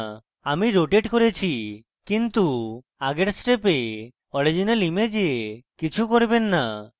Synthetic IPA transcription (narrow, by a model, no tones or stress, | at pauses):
amiɾoʈeʈkoɾet͡ʃʰi | kint̪u | aɡeʈsʈepe | ɔɽid͡ʒinalimed͡ʒeekit͡ʃʰukoɾbenːa